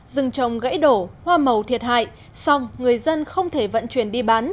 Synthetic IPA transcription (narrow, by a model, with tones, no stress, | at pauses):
zɨ˨˩ŋt͡ɕə˨˩wŋ͡mɣə̰˧˥jɗo˧˩hwaː˧mə˨˩wt̪ʰi˨˩ət̚ha̰ː˧˨j | sa˧wŋ͡mŋɨ˨˩əjzə˧nxə˧wŋ͡mt̪ʰe˧˩və̰˧˨nt͡ɕwi˧˩ənɗi˧ɓaː˨˦n